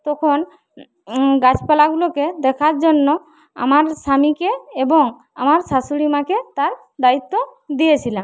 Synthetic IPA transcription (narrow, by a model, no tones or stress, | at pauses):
t̪ɔkʰɔn | ɡat͡ʃpalaɡuloked̪ɛkʰaɾd͡ʒɔnːɔ | a̰maɾsamikeːbɔŋ | a̰maɾsasuɽimaket̪aɾ | d̪ait̪ːɔd̪ijet͡ʃʰila